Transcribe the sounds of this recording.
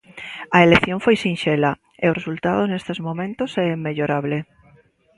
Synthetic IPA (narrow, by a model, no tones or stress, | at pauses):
aeleθjoɱfojsĩnʃela | eoresult̪aðonest̪ezmõmẽnt̪osɛemːeʎoɾaβ̞le